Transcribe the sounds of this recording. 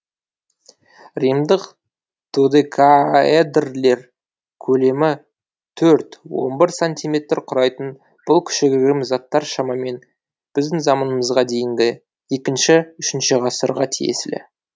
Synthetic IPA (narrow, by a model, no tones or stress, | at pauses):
rijmd̪əq | t̪ʰud̪ekʰaed̪rle̞ɾ | kʲʰɵle̞mɪ | t̪ʰɵɾt̪wo̞̰nbɪɾsonʲt̪ʲijme̞t̪rqʰʊɾɑjt̪ən | b̥ʊlˠkʲʰʏ̥ʃɪɡʲeɾʲmzɑt̪ːɑɾʃɑmɑme̞n | b̥ɪzd̪ɪŋzɑmənəməzʁɑd̪e̞jɪŋɡʲɪ | e̞kʲɪnʃɪʏʃɪnʃɪʁɑsəɾʁɑt̪ʰijḛsɪlɪ̰